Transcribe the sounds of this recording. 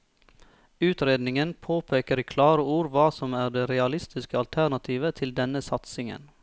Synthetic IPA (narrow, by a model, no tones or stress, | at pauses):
ʉːt̪ɾeːd̪nɪŋənpʰoːpʰeːkəɾiːkʰlɑːɾəuːɾʋɑːsɔmæːɖ̪eːɾɛɑlɪst̪ɪskəɑlt̪ʰæɳɑt̪ʰiːʋət̪ʰɪld̪ɛnəsɑt̪sɪŋə̰n